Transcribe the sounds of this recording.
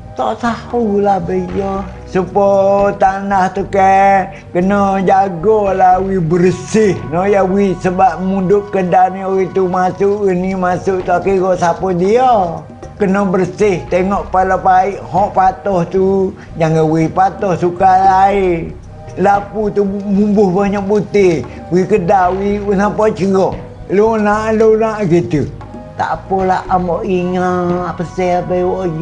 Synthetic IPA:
t̪oʔsahulahbəijo | səpɔt̪anaht̪ukɛ | kənɔd͡ʒaɡɔlawibəɾsɪhnɔjawisəbaʔ̚mudʊʔkədanioit̪umasuʔɡənimasʊʔt̪oʔkiɡoʔsapɔdiɔ | kənɔbərsɪht̪eŋɔʔpalapaiʔhɔʔpat̪ɔht̪u | d͡ʒaŋəwipat̪ɔhsukalai | laput̪umumbʊhbaɲaʔbut̪ɪ | wikədawinapɔt͡ʃəɡɔh | lunaʔlonaʔɡit̪u | t̪a̰ʔpɔlaʔamɔʔiŋapəsɛapəiwɔʔ

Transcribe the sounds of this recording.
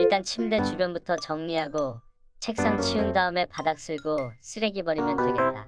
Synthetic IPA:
iɭt͈ant͡ɕʰimde̞t͡ɕubjʌnbutʰʌt͡ɕʌŋɲiɦaɡo | t͡ɕʰe̞k̚s͈aŋt͡ɕʰiundaɯme̞padak̚s͈ɯɭɡos͈ʰɯɾe̞ɡibʌɾimjʌnd͡ʑweɡe̞t̚t͈a̰

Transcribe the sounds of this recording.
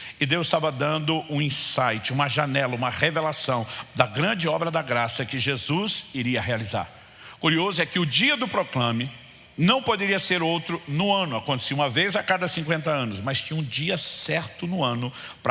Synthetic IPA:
ɪd̪ewzɪ̥st̪avɐd̪ɐ̃nd̪ʊʔũĩsajt͡ʃɪũmɐʒanɛlɐũmɐhevelasɐ̃w̃d̪ɐɡɾɐ̃nd͡ʒɪɔbɾɐd̪ɐɡɾasɐkɪʒezuziɾiɐɦealiza̰ɾ | kuɾiozʊɛkɪʊd͡ʒiɐd̪ʊpɾoklɐ̃mɪ | nɐ̃w̃pod̪eɾiɐseɾowt̪ɾʊnʊɐ̃nʊakõt̪e̥siũmɐvejzakad̪ɐsĩkwẽnt̪ɐɐ̃nʊsmɐjst͡ʃĩũd͡ʒiɐsɛɾt̪ʊnʊɐ̃nʊpɾ

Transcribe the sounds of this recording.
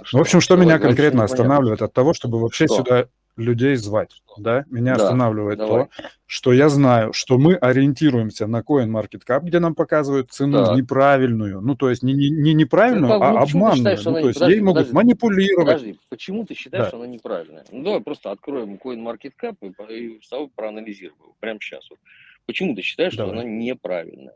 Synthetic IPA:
vo̞pɕːɪmʂt̪o̞mʲɪnʲakɐnkɾʲe̞t̪nəɐst̪ɐnavlʲɪvəjɪt̪ɐt̪ːɐvo̞ʂt̪o̞bɨvɐpɕːesʲʊd̪a | lʲʉdʲejzvatʲ | d̪amʲɪnʲaɐst̪ɐnavlʲɪvəjɪt̪ːo̞ | ʂt̪o̞jaznajʊʂt̪o̞mɨʔɐɾʲɪɪnʲtʲiɾʊjɪmsʲənəko̞ɪnmɐrkʲɪt̪kap̚ɡdʲe̞nampɐkazɨvəjɪt̪̚t̪sɨnuvnʲɪpɾavʲɪlʲnʊjʊnut̪o̞jɪsʲnʲɪɪnʲɪnʲɪpɾavʲɪlʲnʊjʊaɐbbmanːʊjʊuo̞ɪsʲjejmo̞dɡʊmənʲɪpʊlʲiɾəvətʲipət͡ɕɪmut̪ɨɕːɪ̥t̪ajd̪aʂt̪oɐnanʲɪpɾavʲɪ̰lʲnəjə̰nud̪ɐvajpɾo̞st̪əɐt̪kɾo̞jɪmkoɪnmɐrkʲɪt̪kapɨpist̪ɐvopɾəɐnəlʲɪzʲiɾəvəjɪpɾʲamɕːa̰svot̪̚pət͡ɕɪmut̪ɨɕːɪ̥t̪ajɪʂt̪aoɐnanʲɪpɾa̰vʲɪ̰lʲnə̰jə

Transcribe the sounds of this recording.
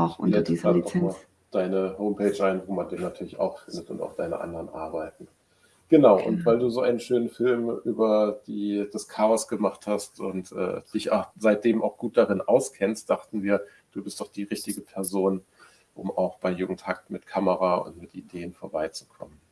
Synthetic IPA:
nlɛ̥ːand̥ɔma | d̥aɪnəɦoʊmpʰɛːt͡ʃʔaɪnvoːmandeːnatʰyːɐlɪça̰ʊxfɪndətʊnta̰ʊd̥aɪnə̰ʔa̰ndəʁənʔa̰ɐbaɪtn̩ | ɡ̥ənaʊʔʊ̰ntv̥aɪlduːzoːʔa̰ɪnənʃøːnənfɪlmʔyːbɐd̥iːd̥askʰaːɔsɡ̥əmaχthastʔʊntʔɛ̰ːd̥ɪça̰ʊxz̥aɪt̚d̥eːmʔa̰ʊxɡ̥uːt̚d̥aʁɪnʔaʊskʰɛnst̚d̥aχtn̩viːɐ | d̥uːbɪstd̥ɔχd̥iːʁɪçtɪɡəpʰɛɐzoːn | ʔʊma̰ʊxb̥aɪjuɡŋ̩tʰhak̚tmɪtkʰaməʁaʊ̰ntmɪtʔideːənfoːɐbaɪt͡su̥kʰɔ̰mən

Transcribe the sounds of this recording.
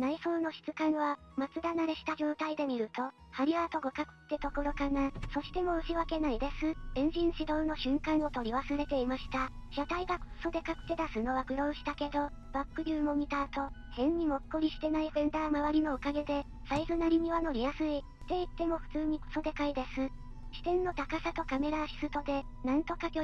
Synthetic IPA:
naiso̞ːno̞ɕi̥t͡sɨkãɰ̃β̞a | mat͡sɨd̪anaɾe̞ɕi̥t̪aʑo̞ːt̪aid̪e̞mʲiɾɯ̟t̪o̞ | haɾʲiɾaːt̪o̞ɡokakɯ̟̥t̪ːe̞t̪o̞ko̞ɾo̞kanaso̞ɕi̥t̪e̞mo̞ɯ̟ɕiβake̞naid̪e̞sɨẽɲ̟d͡ʑĩɰ̃ɕid̪o̞ːno̞ɕɨ̃ŋkãɰ̃o̞t̪o̞ɾʲiβasɨɾe̞t̪e̞imaɕi̥t̪a | ɕat̪aiɡako̥so̞d̪e̞kakɯ̟̥t̪e̞d̪asɨno̞βaɡɯ̟ɾõ̞ːɕi̥t̪ake̞d̪o̞ | b̥akːɯ̟ɾʲɯːmo̞ɲ̟it̪aːt̪o̞ | hẽ̞ɲ̟ɲːimo̞kːoɾʲiɕi̥t̪e̞naiɸẽ̞nd̪aːmaβaɾʲino̞okaɡe̞d̪e̞ | saisɨnaɾʲim̟ʲiβano̞ɾʲijasɨi | t̪e̞it̪ːe̞mo̞ɸɯ̟̥t͡sɨːɲ̟iko̥so̞d̪e̞kaid̪e̞sɨ | ɕi̥t̪ẽ̞nːo̞t̪akasat̪o̞kame̞ɾaɕi̥sɨt̪o̞d̪e̞ | nãnt̪o̞kakʲo

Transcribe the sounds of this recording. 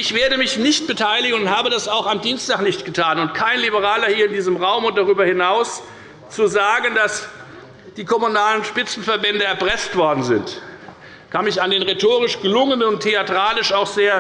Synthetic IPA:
ʔɪçv̥eːɐdəmɪçnɪçt̚b̥ətʰaɪlɪɡənʊnthaːbədasaʊxamdiːnstaːχnɪçtɡ̥ətʰaːnʊntkʰaɪnlibəʁaːlɐhiːɐɪndiːzəmʁaʊmʊnt̚d̥aʁyːbɐhɪnaʊs | t͡suzaːɡəndas | d̥iːkʰɔmunaːlənʃpɪt͡sn̩fɛɐbɛndəɛɐpʁ̥ɛstv̥ɔɐdn̩zɪnt | kʰanmɪçandeːnʁetʰoːʁɪʃɡ̥əlʊŋənənʊntʰːeatʁ̥aːlɪʃaʊxz̥eːɐ

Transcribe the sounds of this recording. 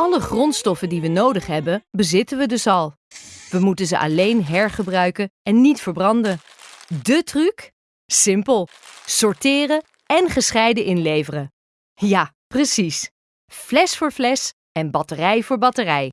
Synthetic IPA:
ɑləχrɔntstɔfəndiʋənowdəχɦɛbənbəzɪtənʋədɵsɑlˠ | ʋəmutənzəʔɑ̰lejnɦɛɹχəbrœɥkənɛnːitfəɹbrɑndən | dətryk | sɪmpəlˠ | sɔɹtɪːrə | ɛnχəsχɛjdəʔɪnlejvərə | jaː | prəsis | flɛsfʊːɹvlɛs | ɛnbɑtərɛjvʊːɹbɑtərɛj

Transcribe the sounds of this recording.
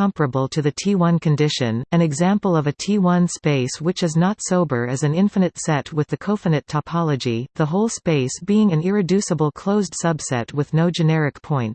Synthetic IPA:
kʰʌ̃mpɨbl̩ˠtʰɨðɨtʰiwʌ̃nkɨ̃ndɪʃɨ̃nɨ̃nɨɡzæ̃mpl̩ˠʌvɨtʰiwʌ̃nspeɪswɨt͡ʃɨznətsoʊbə˞ɨzɨ̃nɪ̃ɱfɨnɨtsɛt̚wɨðɨkʰoʊfɨnɨtʰəpʰɑlˠəd͡ʒiðəɦoʊlˠspeɪsb̥iɪ̃ŋɨ̃nɪɹɨdʉsəbl̩ˠkʰl̥oʊzd̥sʌb̥sɛ̰t̚wɨðnoʊd͡ʒɨnɛɹɨkpʰɔ̃ɪ̃nt

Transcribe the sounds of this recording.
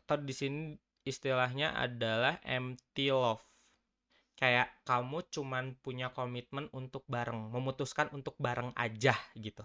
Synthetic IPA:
t̪adisiniː | st̪ilaɦɲaʔa̰dalahʔɛ̰mt̪ilɔf | kajaʔkamut͡ʃumanpuɲakomit̪̚mənunt̪ʊk̚baɾəŋməmut̪uskanʔunt̪ʊk̚baɾəŋa̰d͡ʒahɡit̪u

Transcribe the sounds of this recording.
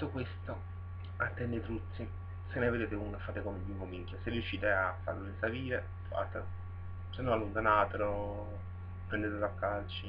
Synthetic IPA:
t̪ːokwest̪o | at̪ːɛnːet̪ɾut̪sːi | senːeved̪eːt̪ekuŋkefːaːt̪ekomeliŋkomiŋkʲjoserjuʃːiːt̪eafːa̰ɾlonesaliːɾe | fa̰t̪elo | senːɔalːont̪anaːt̪elo | pɾɛnd̪et̪elakːalt͡ʃi

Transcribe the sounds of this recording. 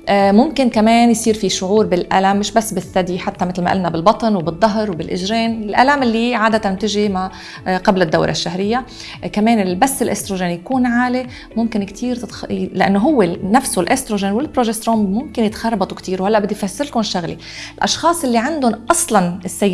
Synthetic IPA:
mʊmkɪnkameːnjsˤiːɾfiʃʊʕuːɾbɪlʔa̰lamːɪʃbasːbɪsːad̪iħat̪ːamɪt̪lma̰ʔɪlnabɪlbɑt̪ˤnwbɪd̪ˤːɑɦɾwbɪlʔɪʒɾeːnɪlʔalamɪlːiʕaːd̪at̪ant̪ɪʒima | qɑblɪd̪ːa̰wɾʔa̰ʃːaɦɾɪjːa | kameːnɪlbasːɪlʔest̪ɾoʒeːnjakuːnʕaːle | mʊmkɪnkt̪ʰiːɾt̪t̪lɪʔanːoɦʊwːenafsulʔest̪ɾoʒeːnwɪlpɾoʒest̪ɾoːmmʊmkɪnjɪt̪xɑrˤbɑt̪ˤwkt̪iːɾwhalːaʔbɪd̪ːijfasːɪɾkʊnɪʃːaɣlḭ | ɪlʔɑʃxɑːsˤʔɪlːiʕand̪ʊnʔɑsˤlɑnɪsːaj

